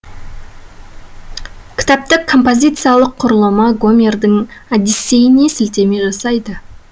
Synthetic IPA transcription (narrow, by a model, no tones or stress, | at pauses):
kʲʰɪ̥t̪ɑp̚t̪əkʰːo̞mpo̞zʲit̪sɨijalˠəqʰːʊɾəlˠəmɑɡo̞mʲe̞rd̪ɪŋad̪ise̞jɪne̞sɪlt̪e̞meʒɑsɑjd̪ə